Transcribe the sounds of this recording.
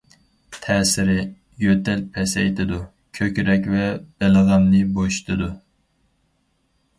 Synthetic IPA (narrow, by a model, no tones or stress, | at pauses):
t̪ʰɛːsɪɾɪ | jøt̪ʰɛlpʰɛsɛ̰jt̪ʰɪd̪u | kʲʰøkʲɾɛk̬ʲvɛb̥eləʁæmnɪboʃt̪ʰɨd̪u